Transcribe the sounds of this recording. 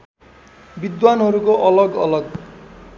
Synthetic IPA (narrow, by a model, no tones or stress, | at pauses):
bid̪wanɦʌɾukoʔʌlʌɡʌlʌɡ